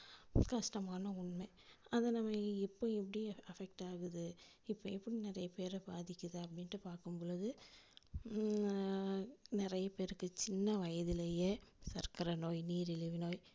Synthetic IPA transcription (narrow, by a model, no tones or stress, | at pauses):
kɐʂʈɐmaːnɐʊɳme | ɐðɐnɐmːɐɪpːoɛpːɐɽiɐfɛk̚ʈaːɣɯðɯ | ɪpːoɛpːɐɽinɪɾɐjɐpeːɾɐbaːðɪkʲːɐðɯɐpːɐɽɪnʈːɯpaːɾkɯmpɔːɻɐðɯ | nɪɾɐjɐpeːɾɯkːɯt͡ʃɪnːɐʋɐjɐðɪlɐjeːsɐɾkɐɾɐnoːjniːɾɪlɪʋɪnoːj